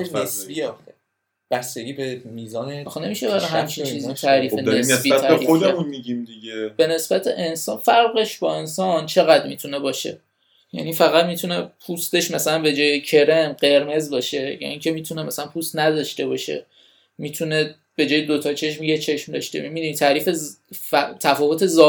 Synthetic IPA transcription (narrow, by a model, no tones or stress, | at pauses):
nesbieɒxe | b̥æst̪eɡʲiːbemiːzɒːnexne̞miʃebæɾɒɦhæmt͡ʃʰit͡ʃʰiːzit̪ʰæɾiːfenesnsbiːææɾɾiod̪eemunmiɟimd̪iɟeb̥e̞ne̞sb̥æt̪ʰḛʔensɒːnfæɾɣe̞ʃbɒe̞nsɒnt͡ʃʰe̞ɣæd̪miːt̪ʰune̞bɒːʃe̞̰ | jæ̰nifæɣæd̪mit̪ʰune̞pʰust̪e̞ʃmæsælænbe̞d͡ʒɒːjecʰe̞ɾe̞nɢe̞ɾme̞zbɒːʃe̞jɒ̰niŋcʰe̞miːt̪ʰunemæsælænpʰust̪næd̪ɒʃt̪e̞bɒʃe̞̰ | mit̪ʰune̞ | b̥e̞d͡ʒɒːjed̪ot̪ʰɒt͡ʃʰe̞ʃmijet͡ʃʰe̞ʃmd̪ɒʃt̪ḛmid̪unit̪ʰæɾiːfe | t̪ʰæfɒːvo̞t̪ʰe̞zɒː